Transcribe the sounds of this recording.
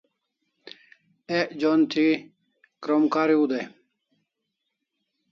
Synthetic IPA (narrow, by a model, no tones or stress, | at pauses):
eʔd͡ʑont̪ʰi | kɾomkaːɾiud̪e